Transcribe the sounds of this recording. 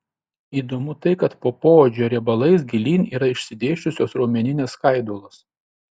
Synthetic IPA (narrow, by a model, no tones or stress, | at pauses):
iːd̪omʊt̪ɐɪkɐt̪poːpoːod͡ʒʲoːɾʲɛbɐlˠɐɪsɡʲɪlʲiːniːɾɐɪʃʲsʲɪd̪ʲeːʃʲt͡ʃʲʊsʲoːsɾoːmʲɛnʲɪnʲeːskɐɪd̪oːlˠoːs